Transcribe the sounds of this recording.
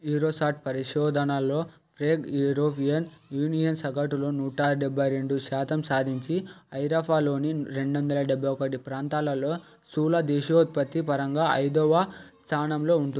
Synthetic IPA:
iːɾoːsaːʈ̚pɐɾiʂɔːd̪ʱɐnɐlːo̞ː | pɾeːɡjuɾoːpʰijɐnjuːnijɐnsɐɡɐʈuloːnuːʈaɖebʱːɐjɾe̞ɳɖuʃaːt̪ɐmsaːd̪ʱiɲt͡ʃiɐjɾɐpʰaːlo̞ːniɾe̞ɳɖʋɐnd̪ɐlɐɖɛbʱːɐjɔkɐʈipɾaːnt̪aːlɐloː | suːlɐd̪eːʃout̪̚pɐt̪ːipɐɾɐŋɡaːʔɐ̰jd̪ɔʋɐst̪ʰaːnɐmlo̞ːuɳʈui

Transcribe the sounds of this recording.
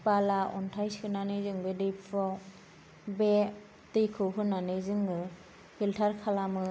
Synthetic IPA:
palaʔɔntʰajshɯnanɯjzɯŋbedejpʰɔ | be | tɯjkʰɯwɦɯnanɯjzɯŋːɯ | hʰiltʰaɾkʰalamɯ

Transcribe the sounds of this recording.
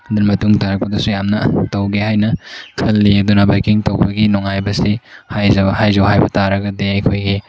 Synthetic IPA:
ɐdɐnmɐtuŋtaɾɐk̚pɐdɐsujamnɐtɐwɡehajnɐkʰɐlːiɐdunɐbajkiŋtɐwbɐɡinoŋajbɐsihajzhajzɐwɦajbɐtaɾɐɡɐdeɐjkʰojɡi

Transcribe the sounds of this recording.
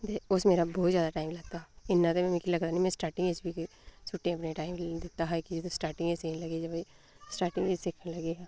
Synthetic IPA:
d̪eʊsmeːɾabɔːt̪zjaːd̪aʈaːɪmlɐɡt̪aɪnːãt̪emɛ̃mikilɐɡt̪anĩmɛ̃sʈaːɾʈɪ̃ŋɡesbʱik | sʊʈːẽɐpnẽʈaːɪmd̪eːt̪aɦakid͡ʒet̪osʈaːɾʈɪ̃ŋɡeseːnlɐɡed͡ʒɐb | sʈaːɾʈɪ̃ŋɡesseːkʰnelɐɡeɛː

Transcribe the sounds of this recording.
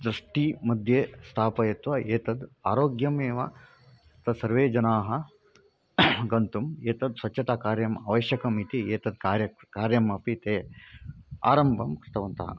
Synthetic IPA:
d̪ɾɐʂʈimɐd̪ʱjeːst̪ʰaːpɐjeːt̪ʋɐeːt̪ɐd̪aːɾoːɡjɐmeːʋɐ | t̪ɐsɐɾʋeːd͡ʒɐnaːɦɐ | ɡɐnt̪umeːt̪ɐd̪sʋɐt͡ʃːt͡ʃʰːɐt̪aːkaːɾjɐmaːʋɐʃjɐkɐmit̪ieːt̪ɐd̪kaːɾjɐkaːɾjɐmɐpit̪eː | a̰ːɾɐmbʱɐmkɾɪt̪ɐʋɐnt̪ɐ̰ɦɐ̰

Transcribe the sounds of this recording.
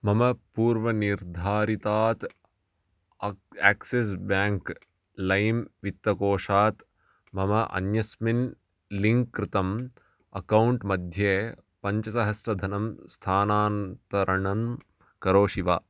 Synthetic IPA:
mɐmɐpuːɾʋɐniɾd̪ʱaːɾit̪aːt̪ | æːkses̬baːŋk | lɐjmʋit̪ːʋɐkoːʂaːt̪ | mɐmɐʔɐ̰njɐsmin | liŋkːɾɪt̪ɐm | ɐ̰kɐwɳʈmɐd̪ʱjeː | pɐɲt͡ʃɐsɐɦɐsɾɐd̪ʱɐnɐmst̪ʰaːnaːnt̪ɐɾɐɳɐm | kɐɾoːʃiʋa̰ː

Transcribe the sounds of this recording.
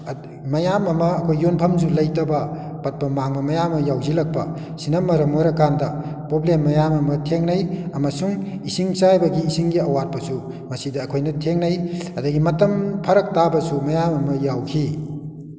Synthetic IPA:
mɐjamɐmɐːkʰojːonpʰɐmzulɐjtɐbɐ | pɐt̚pɐmaŋmɐmɐjamɐjawzilɐk̚pɐ̰ | sinɐmːɐɾɐmoɾɐkandɐpɾoblemːɐjamɐmɐtʰeŋnɐjɐmɐsuŋisiŋt͡ʃajbɐɡiːsiŋɡiɐwat̚pɐsu | mɐsidɐːkʰojnɐtʰeŋnɐjɐdɐɡimɐtɐmpʰɐɾɐk̚tabɐsumɐjamɐmɐjawkʰi

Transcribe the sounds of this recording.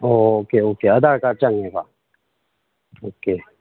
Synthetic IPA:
oːkeoːkeːɐd̪aːɾkat͡ʃɐ̃ŋɡɦɛkaː | oːkeː

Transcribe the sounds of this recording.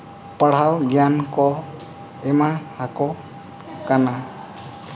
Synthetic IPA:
pəɽ̤awɡjankɔ | ɛmahakɔ | kana

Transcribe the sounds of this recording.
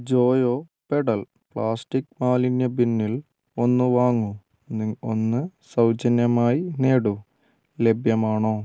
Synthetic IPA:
d͡ʑo̞ːjoːpeɽɐl | pɭaːsʈikːmaːlinjɐbinːil | o̞nːɨʋaːŋːu | onːɨsɐwt͡ɕɐnjɐmaːjineːɽu | le̞bʱjɐmaːɳoː

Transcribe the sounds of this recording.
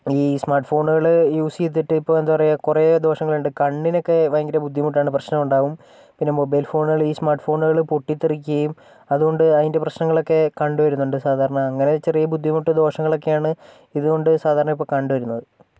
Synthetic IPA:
iːsmaːrʈfo̞ːɳuɣɐɭjuːsiet̪̬ːiʈːɨipːo̞ːe̞nd̪apɐrɐjkured̪o̞ːʂɐŋːɐɭuɳɖɨkɐɳɖino̞kːe̞ʋɐjɐŋɡiɾɐbud̪ʱːimuʈːaːɳɨprɐɕnɐmuɳɖaːʋum | pinːe̞mobɐjlfo̞ːɳuɣɐɭiːsmaːrʈfo̞ːɳuɣɐɭɨpoʈːit̪ːirik̬ʲːuɣɐjum | ɐðuɣo̞ɳɖɨɐðinde̞prɐɕnɐŋːɐɭo̞kːe̞kɐɳɖɨʋɐɾunːuɳɖɨsaːd̪ʱaːɾɐɳɐːŋːɐne̞t͡ɕe̞rijɐbud̪ʱːimuʈːɨd̪o̞ːʂɐŋːɐɭo̞kːe̞jaːɳɨ | iðuɣo̞ɳɖɨsaːd̪ʱaːɾɐɳɐmipːoɭkɐɳɖɨʋɐɾunːɐðɨ

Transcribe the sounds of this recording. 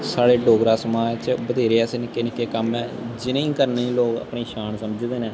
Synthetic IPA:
saːɽeːɖoːɡɾaːsəmaːt͡ʃbəd̪ʱeːɾeːɛsenɪkːeːnɪkːeːkəmɛːd͡ʒɪnẽĩːkəɾneːĩːloːɡə̰pɳiːʃaːnsəməd͡ʒd̪eːnɛː

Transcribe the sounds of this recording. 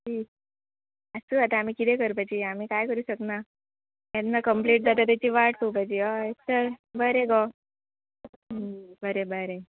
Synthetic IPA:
ʈi | əsuat̪aːm̤ikit̪ekəɾpad͡ʑiam̤iːkajkəɾuɕəkna | anːakəmpliːʈd͡zat̪at̪̬at͡ɕiːʋaʈkowpad͡ʑiɔesəɾbəɾeɡɔ | əbəɾebəɾe

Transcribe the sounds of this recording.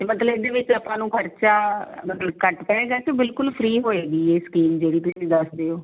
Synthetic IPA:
t̪eːmət̪ləbɪd̪eːʋɪt͡ʃəpãːnũːkʰəɾt͡ʃaːmət̪ləbkəʈpɛːeːɡaːt͡ʃebɪlkʊlpʰɾiːɦoːeːɡiːeːskiːmd͡ʒeːɽiːt̪ʊsĩːd̪əsd̪eːoː

